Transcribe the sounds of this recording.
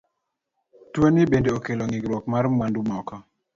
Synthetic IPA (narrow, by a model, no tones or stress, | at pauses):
twonɪbendeokeloŋɪɡɾwɔkmaɾmwandumɔkɔ